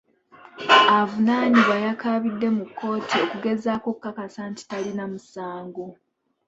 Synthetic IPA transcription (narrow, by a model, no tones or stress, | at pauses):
avunaːniβajakaβidːe̞mukːo̞ːtʰio̞kuɡe̞zaːko̞kːakasanti̥talinamusaːŋɡo̞